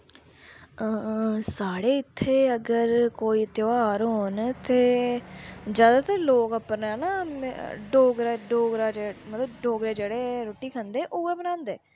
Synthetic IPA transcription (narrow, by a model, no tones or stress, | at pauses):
əsaːɽeːɪt̪ʰːeːəɡəɾkoːiːt̪ɪʋaːɾɦoːnt̪eː | d͡ʒjaːd̪aːt̪əɾloːkəpːəɾnɛːnaːɖoːɡɾaːɖoːɡɾaːd͡ʒemət̪ləbɖoːɡɾeːd͡ʒeːɽeːɾoːʈiːkʰənd̪eːʔoːɛːbənãːnd̪eː